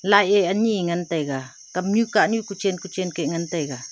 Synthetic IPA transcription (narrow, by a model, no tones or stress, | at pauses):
lajeaɲiŋant̪ejɡa | kaɲukaʔnjukut͡ʃenkut͡ʃenkeʔŋant̪ejɡa